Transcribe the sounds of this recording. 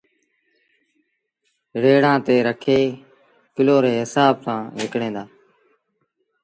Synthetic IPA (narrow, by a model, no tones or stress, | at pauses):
ɾeːɽãːt̪eːɾəkʰeː | kɪloːɾeːɦɪsaːb̚sãːʋɪkɽẽːd̪aː